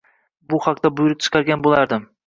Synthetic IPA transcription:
bʊhaqt̪abʊjʊɾɪp̚ʲt͡ʃʰɨ̥qʰɑɾɡʲanbolˠaɾd̪ɪm

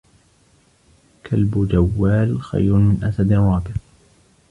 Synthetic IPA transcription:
kʰalbʊd͡ʒawːaːlxa̰jɾʊmɪnʔasad̪nawaːbɪt

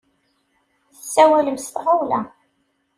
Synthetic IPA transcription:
θəsːæwæləmst̪ʁawlæ̰

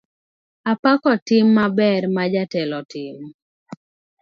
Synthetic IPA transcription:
apakɔtɪmːabɛrmad͡ʒatɛlɔtɪm

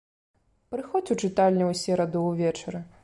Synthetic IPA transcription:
pɾɨxɔt͡sʲut͡ʂɨt̪alʲnʲɛwsʲɛɾɐd̪ɨwvʲɛt͡ʂɐɾɨ

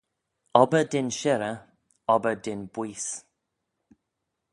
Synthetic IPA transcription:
ɔbədɪnʃɛɾə | ɔbədɪnbwiːs

